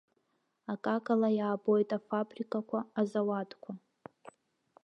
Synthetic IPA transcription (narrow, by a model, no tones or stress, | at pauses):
akʼakʼalajaːbojtʼafabrikʼakʷʰaːzawatʰʼkʷʰa